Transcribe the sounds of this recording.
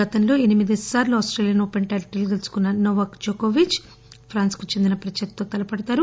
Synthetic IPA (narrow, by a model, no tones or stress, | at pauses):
ɐt̪ɐnlo̞ːenimid̪isaːɾluaːsʈɾeːlijɐnoːpeɳʈaːlʈilɡ̪elsu̥kunːɐnoːʋɐkd͡ʒoːkoːʋit͡ʃ | pʰɾaːnskut͡ʃe̞nd̪inɐpɾɐt͡ʃɐk̚t̪oːt̪ɐlɐpɐɽɐt̪aːɾu